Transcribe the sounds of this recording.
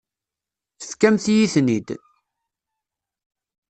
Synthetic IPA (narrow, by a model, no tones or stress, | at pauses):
θθkæmθjiθnid̪